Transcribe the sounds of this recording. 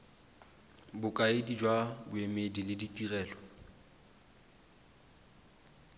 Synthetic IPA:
bʊkʼaedid͡ʒwabʊemedilɪditʼirɛːlɔ

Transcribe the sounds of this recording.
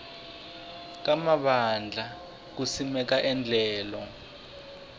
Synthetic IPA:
k̬amaɓand͡ɮʱa | k̬usimɛk̬aʔɛnd͡ɮʱɛːlɔ

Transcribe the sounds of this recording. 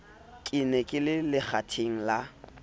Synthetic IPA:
kʼɪnɛkʼɪlɪlɪk͡xʰatʰeŋ̩la

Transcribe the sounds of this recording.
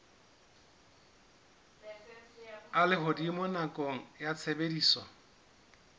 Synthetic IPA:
alɪɦʊdimʊnakʼoŋ̩jat͡sʰebediːsɔ

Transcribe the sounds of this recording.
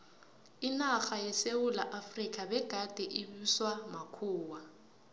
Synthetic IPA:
inaxajɛseulaʔafrikʼabɛɡ̥ʱad̥ʱɛʔɪbiswamakʰuːwa

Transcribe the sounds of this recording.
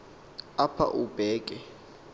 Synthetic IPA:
apʰa̰ʔub̥ʱɛːkʼɛ

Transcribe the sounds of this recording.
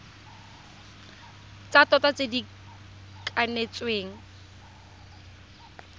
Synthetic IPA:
t͡satɔtat͡sedi | kʼanet͡sweːŋ̩

